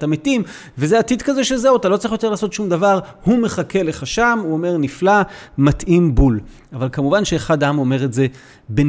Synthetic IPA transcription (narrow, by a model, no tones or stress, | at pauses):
tametim | vezeatid̪kazeʃezewat̪alo̞t͡saʁiχjo̞t̪e̞laːso̞t̪ʃumd̪avaʁ | hume̞χake̞le̞χaʃamuome̞ʁniflamat̪ʔimbul | avalkamuvanʃe̞ːχad̪aamo̞me̞ʁetze̞ | be